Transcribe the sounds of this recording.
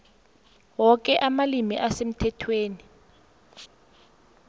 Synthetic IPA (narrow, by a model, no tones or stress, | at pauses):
wɔk̬ʼɛʔamalimiʔasem̩tʰɛtʰweːni